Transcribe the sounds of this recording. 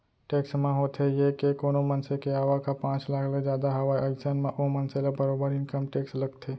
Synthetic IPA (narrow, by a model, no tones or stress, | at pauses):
ʈeːksmẽɦoːt̪ejekekoːnomɐnsekeaːʋakapãːt͡ʃlaːkʰled͡ʒjaːd̪aɦɐʋaːiəɡsənmẽʔomɐnselabəɾoːbəɾɪ̃nkəmʈeːkslɐɡt̪ʰeː